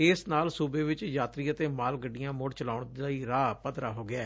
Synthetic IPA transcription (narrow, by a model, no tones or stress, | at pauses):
ɪsnaːlsuːbeːʋɪt͡ʃjaːt̪ɾiːət̪eːmaːlɡəɖːijãːmʊɽt͡ʃəlaːʊɳd̪aːiːɾaːpət̪ɾa̰ːɦoːɡɪaː